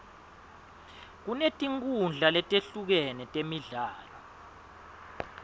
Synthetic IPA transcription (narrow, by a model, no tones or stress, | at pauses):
k̬unetʼiŋk̬ʼund͡ɮʱalɛtʼeɬuk̬ɛnɛtʼemiɮaːlɔ